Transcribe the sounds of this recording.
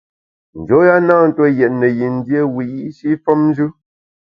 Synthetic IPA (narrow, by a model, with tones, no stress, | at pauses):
n̩˨d͡ʒo˨˦ja˦naː˦˨n̩˨tɔ˦jɛ˨t̚nɛ˨ji˨n̩˦dje˦wi˨ji˦ʔʃi˦fɔ˦mn˦d͡ʒʉ˦